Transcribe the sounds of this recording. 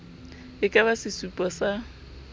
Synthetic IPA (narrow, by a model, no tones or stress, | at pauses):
ɪkʼaβasɪsupʼɔsa